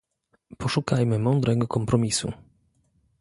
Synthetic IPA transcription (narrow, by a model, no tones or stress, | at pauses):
pɔʂukajmɘmɔnd̪ɾɛɡɔkɔmpɾɔmʲisṵ